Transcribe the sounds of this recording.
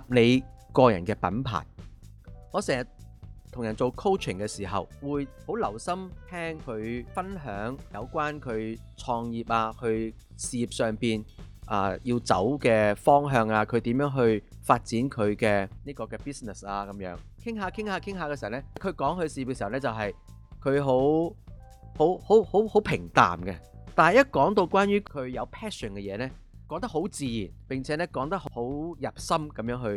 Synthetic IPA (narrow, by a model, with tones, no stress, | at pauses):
p̚ne˨˧jkɔː˧jɐ̰˨˩nkɛː˧pɐ̰˨˥npʰa̰ː˨˩j | ŋɔː˨˧sɛː˨˩ŋjɐ˨˩tt̪ʰʊ˨˩ŋjɐ˨˩nt͡so˨wkʰo˥wt͡ʃʰɪ˨˩ŋkɛː˧siː˨˩ɦɐ˨wwuː˨˧jho˨˥wlɐ˨˩wsɐ˥mt̪ʰɛː˥ŋkʰɵ˨˧ɥfɐ˥nɦœː˨˥ŋjɐ̰˨˧wkʷaː˥nkʰɵ˨˧ɥt͡sʰɔː˧ŋjiː˨p̚aː˧hɵ˧ɥ | siː˨˧jiː˨p̚sœː˨˧ŋpiː˨nʔaː˨˩jiː˧wt͡sɐ̰˨˥wkɛː˧fɔː˥ŋɦœː˨˧ŋaː˧kʰɵ˨˧ɥt̪i˨˥mjœː˨˥ŋɦɵ˧ɥfaː˧t̚t͡siː˨˥nkʰɵ˨˧ɥkɛː˧niː˥kɔː˧kɛː˧piː˥snɛ˨˩saː˧kɐ˨˦mjœ̰ː˨˥ŋkʰɪ˥ŋɦaː˨˧˥kʰɪ˥ŋhaː˨˧kʰɪ˥ŋɦaː˧kɛ˧si˨˩˨wnɛ˥kʰɵ˨˧ɥkɔː˨˥ŋhɵ˧ɥsiː˨ji˨p̚ɛ˧snɛ˥t͡sɐ˨wɦɐ˨j | kʰɵ˨˧ɥɦo˨˥w | ho˨˥who˨˥who˨˥who˨˥pʰɪ˨˩ŋt̪a̰ː˨mɡɛ˧t̪aː˨nɦɐ˨jɐ˥t̚kɔː˨˥ŋt̪o˧wkʷwaː˥njyː˥kkʰɵ˨˧ɥjɐ˨˧wpʰɛː˥sə˨˩nkɛ˧jɛː˨˧nɛː˥ | kɔː˨˥ŋt̪ɐ˥ɦo˨˥wt͡siː˨jiː˨˩npɪ˨ŋt͡sʰɛː˨˦nɛː˥kɔː˨˧˥ŋt̪ɐ˥k̚hho˨˥wjɐ˨p̚sɐ˥mkɐ˨˥mjœː˨˥ŋɦɵ˧ɥ